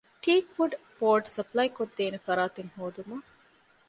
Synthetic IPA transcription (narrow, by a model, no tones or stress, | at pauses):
ʈiːkʋuɖboːɾɖsɐplɐjkod̪ːeːnefɐɾaːt̪eŋhoːd̪umɐŋ